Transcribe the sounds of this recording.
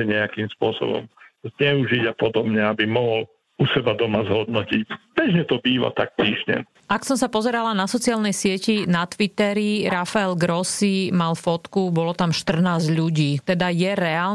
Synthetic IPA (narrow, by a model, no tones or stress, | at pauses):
ɛɲɛakiːmspʊɔsɔ̰bɔ̰mzɲɛuʒiɟapɔd̪ɔbɲɛabimɔɦɔl | usɛbad̪ɔmazɦɔd̪nɔcicbɛʒɲɛt̪ɔbiːʋa̰t̪ak̚pɾiːʒɲɛ̰ | aksɔmsapɔzɛɾalanasɔt͡siaːlnɛjsɪɛcinat̪ʋit̪ɛɾiɾafaɛlɡɾɔsimalfɔt̪kubɔlɔt̪amʃt̪r̩naːzʎuɟiːt̪ɛd̪ajɛɾɛaːl